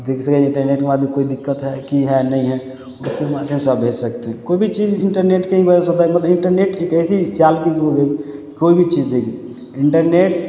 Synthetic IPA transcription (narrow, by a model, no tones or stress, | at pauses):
d̪ekʰsəkɛd͡ʒɪ̃ɳʈəɾneːʈkemad̪ʱjẽkoːid̪ɪkːət̪ɦɛkiɦɛnəĩɦɛ | ɔʊskemaːd̪ʱjəmsabʱed͡ʒsək̚t̪eɦɛ̃koibʱit͡ʃid͡ʒɪɳʈəɾneːʈkeɦĩbəd͡ʒesod̪amət̪ləɪɳʈəɾneːʈekɛɪsit͡ʃalkid͡ʒoɡeɡi | koibʱit͡ʃid͡ʒd̪eki | ɪɳʈəɾneːʈ̚